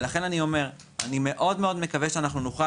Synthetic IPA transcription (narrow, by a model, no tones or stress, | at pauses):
laχe̞nanio̞me̞ʁ | anime̞ʔo̞dmeo̞dme̞kaveʃeanaχnunoχa